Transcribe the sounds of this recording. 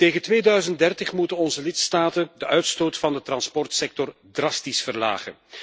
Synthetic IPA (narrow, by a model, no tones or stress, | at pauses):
teːɣəntʋeːdœɥzənt̚dɛrtəχmutənɔnzəlɪtstaːtəndəʔœɥtstoːtfɑndətrɑnspɔrtsɛk̚tɔr | drɑstisfərla̰ːχə̰n